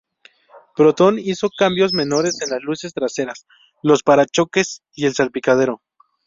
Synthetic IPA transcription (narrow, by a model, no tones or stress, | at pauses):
pɾo̞t̪o̞niso̞kambjo̞zme̞no̞ɾe̞se̞nlazluse̞st̪ɾase̞ɾas | lo̞spaɾat͡ʃo̞ke̞s | ie̞lsalpikað̞e̞ɾo̞